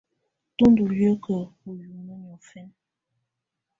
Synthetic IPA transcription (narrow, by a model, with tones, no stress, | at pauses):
tu˦ndu˨jə˦kə˨u˨ju˨nə˦ɲɔ˨fɛ˦n